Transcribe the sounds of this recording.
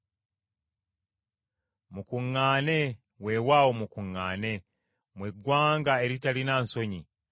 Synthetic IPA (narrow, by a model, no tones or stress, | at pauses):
mukuŋːane̞ | we̞waːwomukuŋːa̰ːne̞ | mweɡwaːŋɡae̞ɾitalinanso̞ɲi